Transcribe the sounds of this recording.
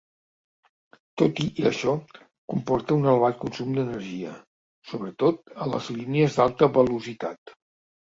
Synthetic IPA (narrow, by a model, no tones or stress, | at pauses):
t̪ot̪iʔiə̰ʃɔ | kumpɔɾt̪əunəlβaʎkunsumd̪ənəɾʒiə | soβɾət̪ot̪ələ̰zliniəzd̪alˠt̪əβəluzit̪at̪